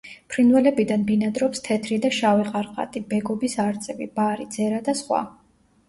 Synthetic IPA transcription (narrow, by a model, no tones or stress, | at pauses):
pʰɾinwɛlɛbid̪anbinad̪ɾɔpst̪ʰɛt̪ʰɾid̪aʃaviqʼaɾqʼa̰t̪ʼibɛɡɔbisaɾt̪sʼɛvḭbaɾid̪z̥ɛɾad̪asχwa̰